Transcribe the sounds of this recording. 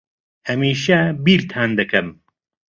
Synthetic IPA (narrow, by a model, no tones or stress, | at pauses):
hɐmiːʃɐbiːɾt̪ʰaːnd̪ɐkʰɐm